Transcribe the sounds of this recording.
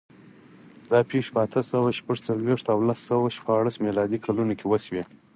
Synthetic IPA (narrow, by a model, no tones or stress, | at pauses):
d̪ɑpʰeʂpəat̪ʰəsawaʃpəʐt͡salweʂt̪awlasːawaʃpɑɽasmelɑd̪ikʰalunokʰʲewəswe